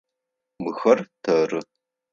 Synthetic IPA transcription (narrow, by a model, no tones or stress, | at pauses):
mɨxɐrtʰɐːrɨ